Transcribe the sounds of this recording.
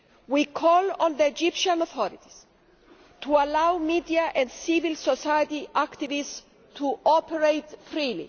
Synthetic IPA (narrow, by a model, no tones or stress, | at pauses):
wikʰɔlɔ̃nðəːd͡ʒipʃãnɔθɔɾit̪i̥s | t̪ʰualawmid̪iaʔɛ̃ndsivilsɔsajət̪iʔakt̪ivis | t̪ʰuʔɔpɛɹejt̪fɾilḭ